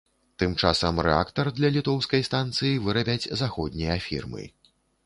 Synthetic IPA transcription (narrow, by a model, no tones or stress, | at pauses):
t̪ɨmt͡ʂasɐmrɛ̰a̰kt̪ɐrd̪lʲɐlʲit̪ɔwskɐjst̪ant̪sɨjivɨɾɐbʲɛd͡zʲzaxɔd̪̚ʲnʲijɐfʲḭrmɨ̰